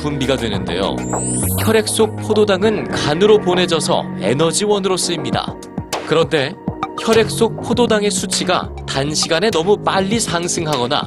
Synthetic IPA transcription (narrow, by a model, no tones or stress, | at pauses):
pumbiɡadwe̞nɯnde̞̰jo̰çʌɾjek̚s͈ok̚pʰododaŋɯnkanɯɾopone̞d͡ʑʌsʰʌ̰e̞̰nʌd͡ʑiwʌnɯɾos͈ɯimɲida̰ | kɯɾʌnde̞çjʌɾjek̚s͈ok̚pʰododaŋe̞sʰut͡ɕʰiɡa̰tanɕʰiɡane̞nʌmumaʎːisʰaŋsʰɯŋɦaɡʌna̰